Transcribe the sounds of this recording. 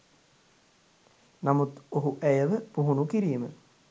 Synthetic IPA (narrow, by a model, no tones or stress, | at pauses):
namut̪oɦuʔæjəʋəpuɦunukiɾijmə